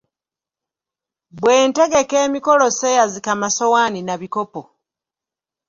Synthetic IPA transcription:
bwe̞ːnte̞ɡe̞ke̞ːmiko̞lo̞sejazikamaso̞waːninaβiko̞po

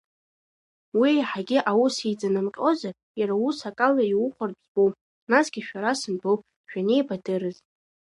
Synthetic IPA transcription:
wijħaɡʲɪʔawusijd͡zanɨmqʲʼo̞zar | jaɾawusakʼalaiwʊχʷarpzbowpʼ | nasɡ̥ʲiʃᶣaɾasɨnbɨwpʼ | ʃᶣane̞jbadɨɾɨzʼ

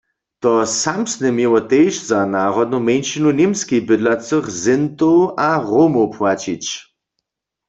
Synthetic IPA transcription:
t̪ɔsamsnɛmjewɔt̪ejʃzanaːʁɔd̪̚numɛnʃinunʲemskibɪd̪lat͡səχzɪnt̪owʔaʁomopʰwat͡ɕit͡ɕ

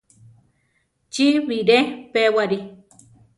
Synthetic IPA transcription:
t͡ʃiβiɾẽpewaɾi

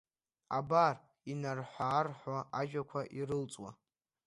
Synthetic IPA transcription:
abar | inarħʷaːrħʷaʔaʒᶣakʷʰaʔiɾɨlt͡sʼwa̰

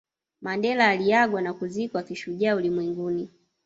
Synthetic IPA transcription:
mandɛlaːlijaɡwanakuzikwakiʃuʄaaulimwɛŋɡuni

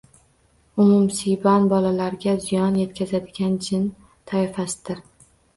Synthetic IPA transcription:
ʊmʊmsibanbɒlalaɾɡʲazɪjɒnje̞t̪kʲʰazad̪ɪɡʲand͡ʒɪn | t̪ʰaɪfasɪ̥d̪̥ɪɾ

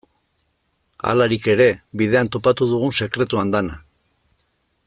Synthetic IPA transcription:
a̰laɾike̞ɾe̞βiðe̞ant̪o̞pat̪uð̞uɣ̞unse̞kɾe̞t̪uand̪ana

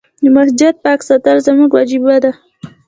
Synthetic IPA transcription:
d̪əmasd͡ʒat̪̚pɑksat̪aɾzamuɡwad͡ʒibad̪a

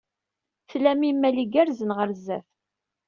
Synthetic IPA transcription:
θlæmimːæliɡæɾzənʁəɾzːæ̰f

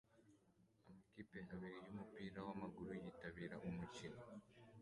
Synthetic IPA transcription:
amakipeaβiɾijumupiːɾawamaɡuɾujiːtaβiːɾaʔumucino

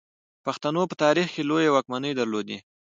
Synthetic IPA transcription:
paxt̪anopət̪ɑɾixkelojawɑk̚manəjd̪əɾlod̪i

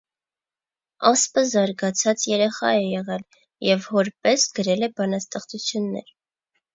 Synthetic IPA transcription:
ɑspəzɑɾɡɑt͡sʰɑt͡sjɛɾɛχɑ̰ɛjɛʁɛl | jɛvhɔɾpɛsɡəɾɛlɛbɑnɑst̪ɛχt͡sut͡sʰjunːɛ̰ɾ

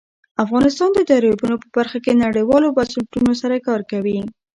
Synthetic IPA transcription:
afɣɑnɪst̪ɑnd̪ət̪aɾibunopəbaɾxakenaɽəjwɑlobasulʈunosaɾakɑɾkawi

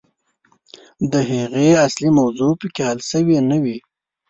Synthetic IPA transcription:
d̪əɦeɣeaslimawzopəkehalsəwenəwi

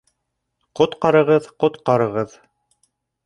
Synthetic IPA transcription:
qŏt̪qɑɾɤ̆ʁɤðqŏt̪qɑɾɤ̆ʁɤð

